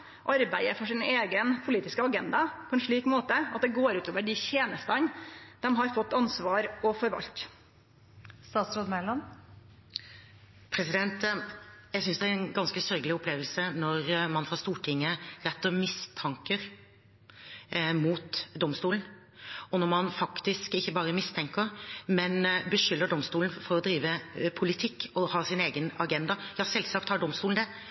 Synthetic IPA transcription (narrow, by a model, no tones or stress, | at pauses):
ʔɑɾbæɪəfɔʂɪneːɡənpʰʊliːt̪ɪskəɑɡɛnd̪ɑpʰɔɛnʂɭiːkmoːt̪əɑt̪̚d̪ɛɡoːɾʉːt̪oːʋəɖɪçeːnəst̪ənd̪̥ɛmɦɑɾfɔt̪ːɑnsʋɑːɾɔfɔɾʋɑ̰lt̪ | st̪ɑːt̪sɾoːd̪mɛlɑn | pʰɾɛsɪd̪ɛnt̪jæɪs̬ʏnsd̪ɛæɾnɡɑnskəsœɾɡəlɪʊpʰleːʋlsənɔɾmɑnfɑːst̪uːʈʰɪŋːəɾɛt̪ːəmɪst̪ʰɑŋkəɾ | muːt̪d̪ɔmst̪uːln̩ | ɔnɔɾmɑnfɑkt̪ɪskɪçːəbɑːɾəmɪst̪ʰɛŋkəɾmɛnbəʃʏlːəɖɔmst̪uːln̩fɔɾɔd̪ɾiːʋəpʰʊlɪt̪ʰɪkːɔhɑːsɪneːɡənɑɡɛnd̪ɑjɑːsɛlskɑːp̚t̪hɑɖɔmst̪uːln̩d̪ɛ